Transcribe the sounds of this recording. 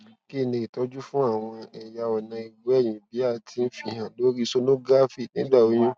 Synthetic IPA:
ki˦˨nẽ˧˨i˨tɔ˦d͡ʒu˦fũ˦a˦˨w̃ɔ̃˧ɛ˨ja˧ɔ˨nã˧i˨wɛ˦˨j̃ĩ˨bi˨˦a˦˨tʰi˦n̩˦fi˦hã˨lo˨˦ɾi˦so˧nũ˦ɡa˦fi˦˨nĩ˦ba˦˨o˦j̃ũ˦

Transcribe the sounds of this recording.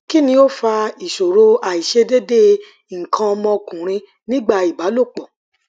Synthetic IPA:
ki˦nĩ˧˦o˦fa˧i˨ʃo˨ɾo˧˦a˨i˨ʃe˧de˦de˦ | ŋ̩˨kʰã˧ɔ˧mɔ̃˧kũ˨ɾ̃ĩ˧ | nĩ˦ɡ͡ba˦˨i˨ba˨˦lo˦˨k͡pɔ˨

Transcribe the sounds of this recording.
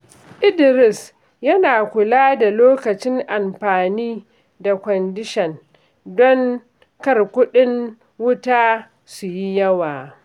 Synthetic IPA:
ʔɪ˦dɪ˨ɾɪ˨s | jɐ˦naː˨kʷʊ˨laː˦da˨loː˦kɐ˨t͡ʃɪ˦ŋʔa˨mɸaː˨niː˦ | da˨kʷɔ˨ndɪ˦ʃɛ˨n | dɔ˦ŋ | kɐ˦rkʷʊ˦ɗɪ˦ŋ | wʊ˦taː˦ | su˨ji˦jɐ˦waː˨

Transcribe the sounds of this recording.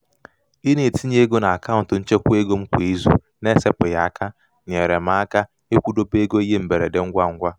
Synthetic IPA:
i˦ne˨ti˦ɲ˦e˦ɡo˦na˨a˨ka˦˨ʊ˨n̩˨tʊ˨n̩˦t͡ʃe˦kʷu˦e˦ɡo˦m̩˦kʷe˨e˦zṵ˦ | ne˦se˦pʊ˨ja˨a˨ka˦ | ɲe˨ɾe˨m̩˨a˨˦a˦ka˦ | e˦kʷu˦do˦be˦ɡo˦i˦ɦe˦m̩˨be˨ɾe˨de˨ŋ̩˦ɡʷa˦ŋ̩˦ɡʷa˦

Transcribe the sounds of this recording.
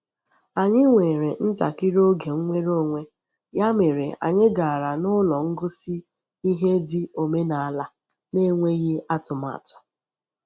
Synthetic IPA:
a˨ɲɪ˦ŋʷe˨ɾe˨n̩˦ta̰˨kɪ˦ɾo˦ɡe˨ŋ̩˦ŋʷe˦ɾo˦˨ŋʷe˦ | ja˦me˨ɾḛ˨a̰˨ɲɪ˦ɡa˨ɾa˨nʊ˦lɔ˨ŋ̩˦ɡʊ˦si˦ | i˦ɦe˦dɪ˦o˨me˦na˨a˦˨la˦ | ne˦ŋʷe˦ɣe˦ʔa˦tʊ˨m˦a̰˨tʊ̥˨

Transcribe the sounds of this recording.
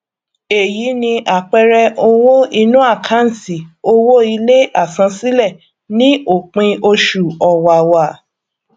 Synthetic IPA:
e˨ji˨˦nĩ˧ʔa˨k͡pɛ˧ɾɛ˧ʔo˧wo˦i˧nũ˦a˦˨kʰã˨˦n̩˨si˨o˧wo˦i˧le˦a˦˨sã˧si˦lɛ˦˨ | nĩ˦o˦˨k͡pĩ˧ʔo˧ʃu˨ɔ˨wa˨wa˨

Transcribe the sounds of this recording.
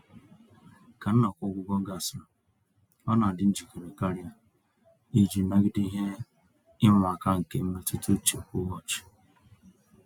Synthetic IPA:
ka˨n̩˦nɔ˨kʷʊ˦ɡʷʊ˦ɡɔ˦ɡa˨sʊ˨ | ɔ˦na˨dɪ˦n̩˦d͡ʒi˨ke˨ɾe˨ka˦ɾja˦ | i˦d͡ʒi˨na˦ɡɪ˦di˦ɦe˦ | ɪ˦mʷ˨a˨ka˦ŋ̩˨ke˦m̩˦me˦tu˦tu˦t͡ʃe˨kʷʊ˦wɔ˦t͡ʃɪ̥˨

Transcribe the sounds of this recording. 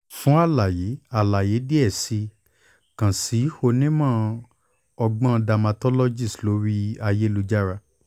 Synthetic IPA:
fũ˦a˦˨la˨je˨˦a˨la˨je˨˦di˦ɛ˦˨si˧˦ | kã˨si˨˦ho˧nĩ˦mã˦˨ | ɔ˧ɡ͡bã˦˧da˧ma˧tɔ˦lɔ˦d͡ʒi˦˨slo˨˦ɾi˦a˧je˦lu˧d͡ʒa˦ɾa˧

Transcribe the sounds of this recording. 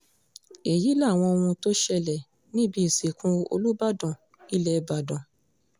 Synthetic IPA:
e˨ji˨˦la˦˨w̃ɔ̃˧o˧wũ˧to˦ʃɛ˧˨lɛ˨ | nĩ˦bi˦i˨si˨kʰũ˦o̰˧lu˦ba˦dɔ̃˨ | i˦lɛ˦ba˨dɔ̃˨

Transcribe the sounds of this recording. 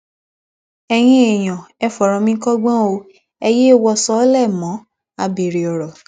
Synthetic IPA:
ɛ˧j̃ĩ˦e˨j̃ɔ̃˨ɛ˨fɔ˨ɾɔ̃˧mĩ˦kɔ˦ɡ͡bã˦o˧ | ɛ˧je˦˨wɔ˧sɔ˦lɛ˦˨mɔ̃˨˦ | a˧be˨ɾi˨ɔ˨ɾɔ˨

